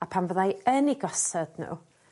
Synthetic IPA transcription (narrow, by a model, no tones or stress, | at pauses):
apʰanvəðajəniɡɔsɛdnṵː